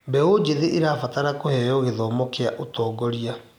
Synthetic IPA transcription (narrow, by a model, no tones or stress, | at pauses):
mbɛod͡ʑeðeʔeɾafataɾakohɛjɔɣeðɔːmɔkeaʔotɔːɡɔɾia